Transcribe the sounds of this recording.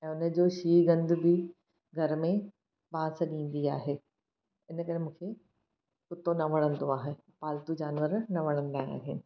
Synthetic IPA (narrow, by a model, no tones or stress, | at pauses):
ɛ̃ːʊnə̆d͡ʑoːʃiːɡɐ̃nd̪ʱbɪ | ɡʱɐɾmẽ | bãːsɗĩːn̆d̪iaːɦeː | ɪnə̆kɐɾemũːkʰe | kʊt̪onɐʋɐɽ̃ə̃nd̪oaːɦe | paːlt̪ud͡ʑaːnʋəɾnɐʋɐɽ̃ə̃nd̪aːa̰ːɦɪnɪ̆